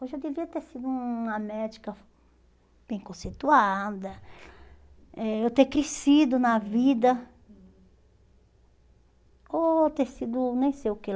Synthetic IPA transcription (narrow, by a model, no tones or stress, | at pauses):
oʒad̪eviɐt̪eɾsid̪uũɐmɛd͡ʒikɐ | b̥ẽj̃kõset̪uad̪ɐ | ɛewt̪ekɾesid̪ʊnɐvid̪ɐ | ot̪eɾsid̪ʊnẽj̃sejʊke